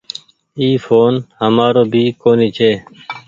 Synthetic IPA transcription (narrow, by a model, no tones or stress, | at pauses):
iːfoːnhəmaːɾoːbʱiːkoːniːt͡ʃʰeː